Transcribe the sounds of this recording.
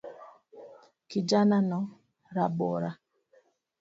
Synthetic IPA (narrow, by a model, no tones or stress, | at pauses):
kid͡ʒananɔ | ɾabɔ̰ɾa